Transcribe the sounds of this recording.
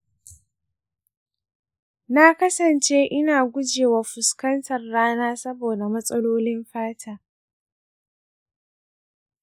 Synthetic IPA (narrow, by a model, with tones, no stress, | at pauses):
na˦kɐ˦sɐ˨nt͡ʃeː˦ʔɪ˦naː˨ɡʷʊ˦d͡ʒeː˨wa˨ɸʊ˨skɐ˦ntʰɐ˨rːaː˦naː˦sɐ˦boː˨da˨mɐ˦sʼɐ˦loː˦lɪ˦mɸaː˦tʰaː˦